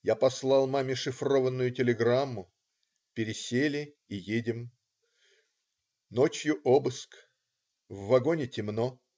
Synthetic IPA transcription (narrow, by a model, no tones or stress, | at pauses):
japɐslˠɑlˠmamʲɪʂɨfro̞vənːʊjʊtʲɪlʲɪɡramːʊ | pʲɪɾʲɪsʲelʲɪ | ijedʲɪm | not͡ɕjʊʔobɨsk | vːɐɡonʲɪtʲɪmno